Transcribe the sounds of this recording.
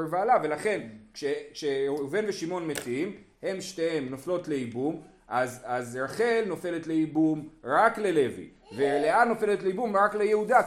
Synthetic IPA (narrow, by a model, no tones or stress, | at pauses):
vaːlave̞laχe̞nkʃekʃeuve̞nveʃimo̞nmetiim | he̞mʃteemnoflo̞tle̞ibum | ʔazazʁaχe̞lno̞fe̞le̞tle̞ibumʁakle̞le̞vḭ | veleatno̞fe̞letleibumʁaklejehud̪a